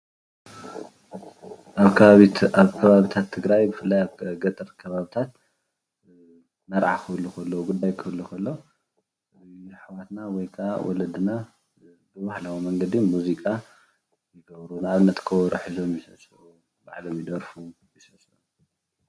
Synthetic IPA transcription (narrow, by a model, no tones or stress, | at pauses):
ʔaβaaβkʰɐβaβit̪ʰat̪ʰːɨɡɾajbɨfɨlːajaβɡɐt̪ʼɨɾkʰɐβaβit̪ʰat̪̚ | nɐɾʕa̰kʰɨlːukʰɐlːoɡud̪ːajkʰɨβɨlːukʰɐlːo̞ | ħawat̪nawɔjkʰa̰wɔ̰lɐd̪ɨna | bɨβahlawimɐŋɡɐd̪imuzikʼa | jɪɡɐβɾunɨaβɨnːɐt̪ʼkʰɐwɔɾɨħizo̞mjɪsɐsʼ | u | ba̰ʕlo̞mjɪd̪ɐɾfu | jisɐsʼu